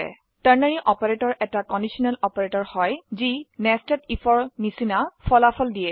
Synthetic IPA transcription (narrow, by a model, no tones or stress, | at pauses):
ɛ̰ | taɹnaɹiʔɔpɔɹetɔɹʔɛtakɔndisɔnɛlɔpɔɹetɔɹhɔjzinɛstɛtipʰɔɹnisinafʰɔlapʰɔldijɛ